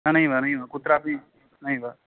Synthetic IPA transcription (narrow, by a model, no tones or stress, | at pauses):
anɐɦĩbʱanɐɦĩbʱakut̪ɾaːpĩ | nɐɦĩbʱaː